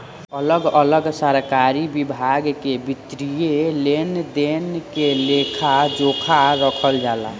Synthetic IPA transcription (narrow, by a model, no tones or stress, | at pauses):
ələɡələɡsaɾkaɾibibʱaɡkebit̪ɾijelend̪enkelekʰad͡ʒokʰaɾəkʰəld͡ʒala̰